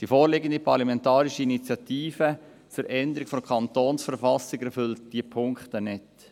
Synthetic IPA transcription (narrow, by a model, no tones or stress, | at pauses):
d̥ifoːɾlɪɡəndipʰɑɾlɑmɛntɑːɾiʃəinit͡sjɑtiːfə | t͡suɾʔɛnd̪əɾikfɔmkʰɑnt̪oːnsfəɾfɑsɪɡɛɾfʏlt̚d̥iːpʰʊŋkχtənɛt